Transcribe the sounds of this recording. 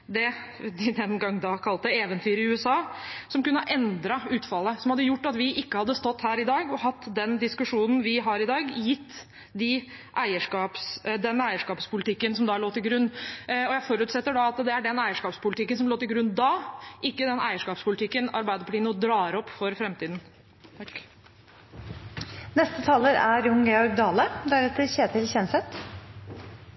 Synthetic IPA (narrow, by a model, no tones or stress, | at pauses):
d̪ɛ | d̪d̪ɛnɡɑŋːd̪ɑkʰɑlt̪əeːʋənt̪ʰyːɾəɪʉːɛsɑːsɔmkʉnːəʔɛnd̪ɾɑʉːt̪fɑlːəsɔmhɑd̪ːəjʊʈːɑt̪ʋɪʔɪkːəhɑd̪ːəst̪ɔt̪ːhæːɾɪd̪ɑːɡɔhɑt̪ːd̪ɛnd̪ɪskʉʂuːnn̩ʋɪɦɑɾɪd̪ɑːɡjɪt̪ː | d̪ɪ | ʔæɪəʂkɑːpsd̪ɛnæɪəʂkɑːpspʰʊlɪt̪ʰɪkːənsɔmd̪ɑɭoːt̪ɪlɡɾʉnːɔjæɪfɔɾʉːt̪sɛt̪ːəɖɑɑt̪d̪ɛæɖɛnæɪəʂkɑːpspʰʊlɪt̪ɪkːənsɔmloːt̪ɪlɡɾʉnːd̪ɑːʔɪkːəd̪ɛnæ̰ɪəʂkɑːpspʰʊlɪt̪ʰɪkːənɑ̰ɾbæɪd̪əpʰʊliːnɔd̪ɾɑːɾɔpːfɔɾfɾɛmt̪ʰiːd̪n̩ | nɛst̪ət̪ʰɑːləɾæɾjʊŋɡɛɔɾɡd̪ɑːləd̪æɾɛt̪əɾɕeːt̪ʰɪlçɛnsɛt̪